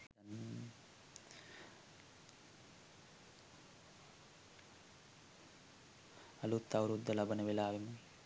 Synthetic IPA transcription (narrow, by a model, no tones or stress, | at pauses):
ɐn | ɐlut̪ːawɾud̪ːɐlɐbɐnɐʋilaːʋim